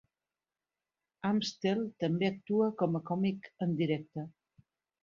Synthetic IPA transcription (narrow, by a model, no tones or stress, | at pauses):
amst̪elˠt̪əmbeək̚t̪uəkɔməkɔmikənd̪iɾɛk̚t̪ə